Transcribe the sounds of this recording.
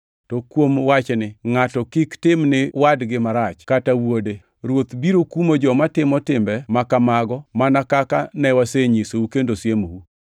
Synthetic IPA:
tɔkwomwat͡ʃnɪŋatɔkɪktɪmnɪwadɡɪmaɾat͡ʃkatawode | ɾwot̪biɾokumod͡ʒɔmatɪmɔtɪmbɛmakamaɡɔmanakakanɛwaseɲisoukendosjemowu

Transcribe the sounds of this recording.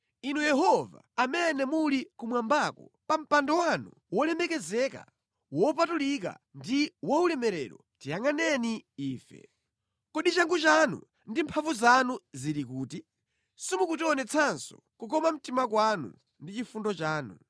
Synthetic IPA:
inujɛɦɔva̰amɛnɛmulikumwambaːkɔpam̩pandɔwanu | wɔlɛmɛkɛzɛka̰ | wɔpatulik̬a̰ | ndiwɔulɛmɛɾɛɾɔ | tijaŋanɛniiːfɛ̰ | kɔɗit͡ʃaŋɡut͡ʃanṵ | ndimpʰavuzanuziɾikuːti | simukutiɔnɛt͡sʰansɔ̥ | kukɔmam̩timak̬wanṵ | ndit͡ʃifundɔt͡ʃaːnu

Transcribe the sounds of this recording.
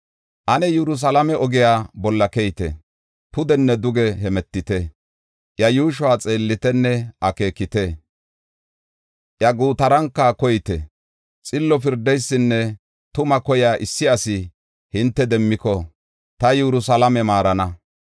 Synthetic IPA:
ʔɐnɛjɛɾʊs̬ɐlɐmɛɔɡɪjaːbɔlːɐkɛjt̪ɛ̰ | pʊd̪ɛnːɛd̪ʊɡɛɦɛmɛt̪ːɪt̪ɛ | ʔjɐjuːʃ̬ʊaːt͡sʼe̞ːlːɪt̪ɛnːɛʔɐke̞ːkːɪt̪ɛ | ʔjɐɡuːt̪ɐɾɐŋkːɐkɔjɪt̪ɛ̰ | t͡sʼɪlːɔf̬ɪɾd̪ɛjsːɪnːɛ | t̪ʊmɐkɔjaːʔɪsːɪɐsɪ | hɪnt̪ːɛd̪ɛmːɪkɔ | t̪ɐjɛɾʊsɐlɐmɛmaːɾɐnɐ

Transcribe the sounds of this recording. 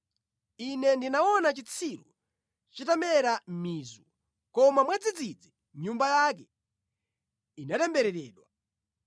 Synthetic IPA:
inɛndinaɔnat͡ʃit͡sʰiɾu | t͡ʃitamɛɾam̩miːzu | kɔmamwɛd͡zid͡zid͡zi | ɲumbajaːk̬ɛ | inatɛmbɛɾɛɾɛːɗwa

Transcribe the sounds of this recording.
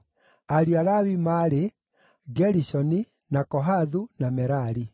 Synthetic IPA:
aɾiaɾawimaɾe | ɡɛɾisɔni | nakɔɦaðunamɛɾaɾi

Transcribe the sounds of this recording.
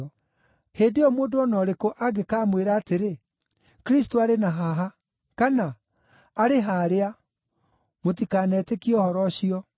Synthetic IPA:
heːndeɔmoːdoɔnɔɾekoʔaɡekaːmweɾaːteɾe | kɾis̬toaɾenaɦaɦa | kanaː | ɾeɦaːɾea | motikanɛtekiɔhɔɾɔɕiɔ

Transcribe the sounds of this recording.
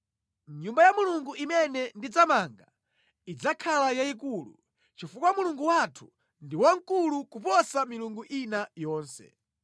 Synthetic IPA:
ɲumbajamuluŋɡuʔimɛnɛndid͡zamaŋɡa | id͡zakʰalajaikuːlṵ | t͡ʃifukwamuluŋɡuwatʰu̥ | ndiwaŋkulukupɔsamiluŋɡuʔinajɔːnsɛ̰

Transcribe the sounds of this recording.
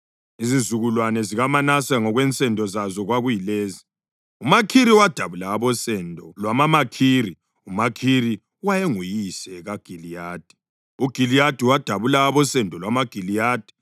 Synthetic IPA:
izizuɣulwanɛziɣamanasaŋɔɣwɛnt͡sʼɛndʱɔzazɔɣwaɣujileːzi | umakʰiɾiwad̥ʱaβulaːβɔsɛndʱɔlwamamakʰiri | umakʰiri | wajeŋujisɛɣaɡ̥ʱilijaːd̥ʱi̥ | uɡ̥ʱilijad̥ʱiwad̥ʱaβulaːβɔsɛndʱɔlwamaɡ̥ʱilijaːd̥ʱi̥

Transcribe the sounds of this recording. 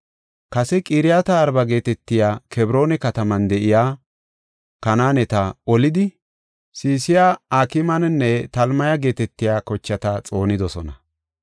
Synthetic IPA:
kɐsɛkʼiːɾɪjat̪ɐːɾbɐɡe̞ːt̪ɛt̪ːɪjaːkʰɛbɾo̞ːnɛkɐt̪ɐmɐnd̪ɛʔɪjaː | kɐnaːnɛt̪ɐɔlɪd̪ɪ | siːsɪjaːaːkɪmɐnnːɛt̪ɐlmɐjɐɡe̞ːt̪ɛt̪ːɪjaːkɔt͡ʃːɐt̪ɐt͡sʼo̞ːnɪd̪ɔsɔnɐ

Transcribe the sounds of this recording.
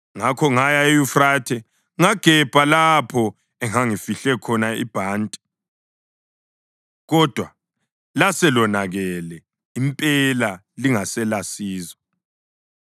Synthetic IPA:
ŋakʰɔŋajaejufratʰɛ | ŋaɡ̥ʱɛb̥ʱalapʰɔ | ɛŋaŋifiɬɛkʰɔnaḭb̥ʱaːntʼi̥ | ɣɔd̥ʱwa | lasɛlɔnaɣɛlɛ | impʼɛla | liŋasɛlasiːzɔ

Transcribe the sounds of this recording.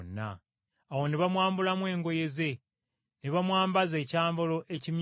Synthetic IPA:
nːa̰ː | wo̞neβamwaːmbulamwe̞ːŋɡo̞je̞ze̞ | neβamwaːmbaze̞ːcaːmbolo̞ʔe̞cim

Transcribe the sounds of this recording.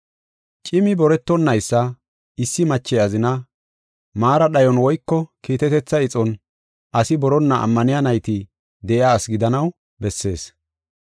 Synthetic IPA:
t͡ʃʼɪmɪbɔɾɛt̪ːɔnːɐjsːɐ | ɪsːɪmɐt͡ʃːɛjɐzɪnɐ | maːɾɐɗɐjɔnwɔjkːɔkiːt̪ɛt̪ɛt͡sːɐɪt͡sʼɔn | ʔɐsɪbɔɾɔnːɐɐ̰mːɐnɪjɐnɐjt̪ɪ | d̪ɛʔɪaːsɡɪd̪ɐnɐw | bɛsːe̞̰ːs

